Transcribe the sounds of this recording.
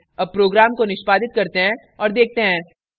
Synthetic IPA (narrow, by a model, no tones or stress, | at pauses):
ɐb̚pɾoːɡɾaːmkonɪʃpaːd̪ɪt̪̚kɐɾt̪eɦɛ̃ | ɔːɾd̪eːk̚ʰt̪eɦɛ̃ː